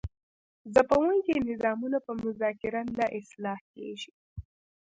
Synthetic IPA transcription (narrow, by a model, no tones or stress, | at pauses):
zapawənkenɪzɑmunapəmʊzɑkɪɾanlaʔɪslɑhkḛʒi